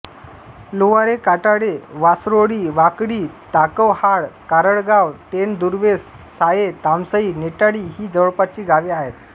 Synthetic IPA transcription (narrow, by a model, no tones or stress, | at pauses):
loʋaɾekaʈaɽeʋasɾoɽiːʋakɽiːt̪akəwhaɭkaɾəɽɡawt̪end̪uɾʋesː | ajet̪amsəiːneʈaɽiːɦiːd͡zəʋɭpat͡ɕiːɡaʋiaɦet̪